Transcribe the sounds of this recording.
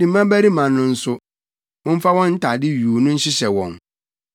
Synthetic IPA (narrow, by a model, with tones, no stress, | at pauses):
dĩ˨˦mã˦bæ˦ɾi˦mã˨nnʊ̃˨n̩˦sʊ˦ | wʊ̃˦m̩˦fa˦wɔ̃˦n̩˦tʰa˨dɪ˦ɥuː˨˦nʊ̃˦n̩˦ɕɪ˦ɕɛ˨wɔ̰̃˨n